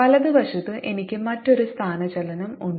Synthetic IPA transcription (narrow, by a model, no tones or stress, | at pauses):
ɐlɐðɨʋɐʂɐt̪ːɨʔe̞nikʲːɨmɐtːo̞ɾust̪ʰaːnɐt͡ɕɐlɐnɐmuɳː